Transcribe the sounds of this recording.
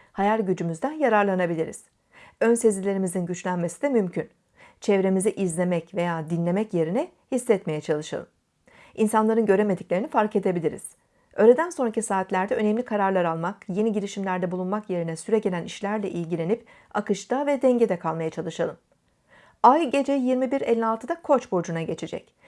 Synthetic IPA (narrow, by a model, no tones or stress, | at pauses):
hajalʲɟyd͡ʒymyzd̪ænjaɾaɾlˠanabilʲiɾḭz̥ | ønsezilʲe̞ɾimizinɟyt͡ʃlʲænme̞sid̪ɛmymcʰyn | t͡ʃʰɛvɾe̞miziʔizlʲe̞mɛcve̞jaːd̪inlʲe̞mɛcje̞ɾinɛ | hisːɛt̪me̞jɛt͡ʃʰalˠɯʃa̰lˠɯm | ʔinsanlˠaɾɯnɟø̞ɾe̞me̞d̪iclʲeɾinifaɾke̞d̪e̞bilʲiɾḭz̥ | øːlʲe̞d̪ænso̞nɾacisaːt̪lʲæɾd̪ɛø̞nɛmlʲikʰaɾaɾlˠaɾalˠmakje̞niɟiɾiʃimlʲæɾd̪ɛbulˠunmakje̞ɾinɛsyɾɛɟe̞lʲæniʃlʲæɾlʲɛʔilʲɟilʲe̞nip | akɯʃt̪ʰavɛd̪ɛɲɟe̞d̪ɛkʰalˠmajat͡ʃʰalˠɯʃalˠɯm | ajɟe̞d͡ʒejiɾmibiɾelʲːialˠt̪ʰɯd̪akʰo̞t͡ʃbo̞d͡ʒunaɟe̞t͡ʃʰe̞d͡ʒɛ̰c